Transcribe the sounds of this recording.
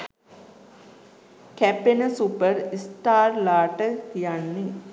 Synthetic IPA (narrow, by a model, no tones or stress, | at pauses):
kæpenəsupəɾisʈaːrlaːʈəkijanːe